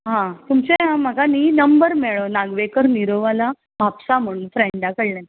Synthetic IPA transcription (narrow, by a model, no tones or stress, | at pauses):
ɦãt̪umt͡ɕeɦãm̤əɡaninəmbəɾmeɭonaɡʋekəɾniɾoʋala | ʋʱapsam̤əɽ̃ũːnfɾeɳɖakəɽlãn